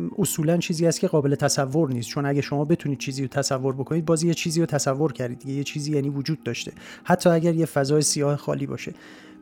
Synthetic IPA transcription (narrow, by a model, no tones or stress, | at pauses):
ʔosuːlænt͡ʃʰiːziːhæst̪cʰeɣɒːbe̞le̞t̪ʰæsævːo̞ɾniːst̪t͡ʃʰo̞næɟæʃo̞mɒːbe̞t̪ʰuniːd̪̚t͡ʃʰiːziːɾot̪ʰæsævːo̞ɾbo̞kʰo̞nid̪bɒːzjet͡ʃʰiːziːɾot̪ʰæsævːo̞ɾcʰæɾd̪id̪d̪iɟejet͡ʃʰiːziːjæːniːvod͡ʒuːd̪̥̚ːɒːʃt̪e̞hæt̪ʰːɒːæɟæɾjefæzɒːjesijɒːhexɒ̰ːliːbɒ̰ːʃe̞